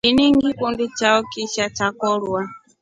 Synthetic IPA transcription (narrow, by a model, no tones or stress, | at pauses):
iniŋɡikundit͡ʃaɔkiʃat͡ʃakɔɺwa